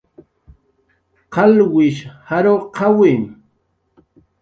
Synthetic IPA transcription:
qɑlwɪʃhaɾoqawɪn

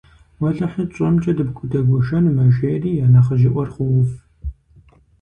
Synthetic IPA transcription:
wɐɮɐħit͡ʃʼɐmt͡ʃʼɐdɨbkʷʼʊdɐɡʷʊʃɐnmɐʒeːriːjaːnɐχəʒɪʔʷɔrχʷʊwʊf

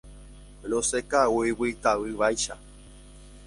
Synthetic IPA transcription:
losekauiwɨt̪awɨβajʃa̰

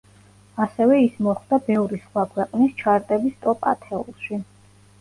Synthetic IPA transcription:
asɛvɛismɔχd̪abɛvɾisχwakʰwɛqʼnist͡ʃʰaɾt̪ʼɛbist̪ʼɔpʼa̰t̪ʰɛṵlˠʃi

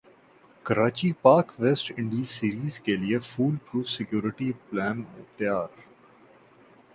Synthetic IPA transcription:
kɐɾaːt͡ʃipaːkʋeːsʈɪ̃ɳɖisiːɾiːzkeliefuːlpɾuːfsɪkjoːɾɪʈiplɛ̃ːnɪt̪jaːɾ

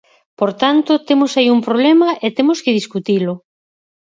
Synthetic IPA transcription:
poɾt̪ant̪ʊt̪emosaiumpɾoβ̞lɛmɐʔet̪emoskɪð̞iskut̪ilʊ

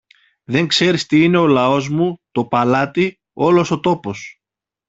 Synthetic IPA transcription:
ðe̞ŋkse̞ɾist̪iine̞o̞lɐo̞zmut̪o̞pɐlɐt̪i | o̞lo̞so̞t̪o̞po̞s

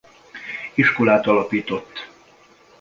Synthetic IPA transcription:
iʃko̞laːt̪ɒlɒpiːt̪o̞t̪ː

